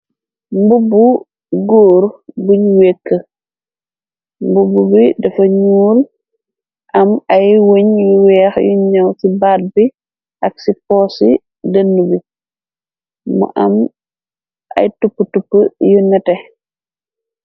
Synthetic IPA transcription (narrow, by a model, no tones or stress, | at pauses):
mbubu | ɡoːɾbuɲwekːə | mbububidɛfɐɲuːɾ | ʔɐmɐjwoɲjuwɛːxjuɲɔwsibaːt̚bi | ʔɐksipɔːsḭ | dɐnːubi | mɔ̰ʔɐ̰m | ʔɐ̰jtupːətupːəjunɛtɛ